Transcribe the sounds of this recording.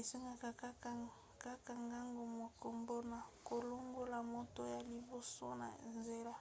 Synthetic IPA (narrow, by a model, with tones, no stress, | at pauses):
e˨se˦ŋɡa˦ka˦ka˦a˦ | ka˦ka˨ŋɡa˦ŋɡo˨mo˨ko˨mbo˦na˨ko˨lo˦ŋɡo˦la˨mo˦to˦ja˨li˨bo˨so˦na̰˨nze˨la˦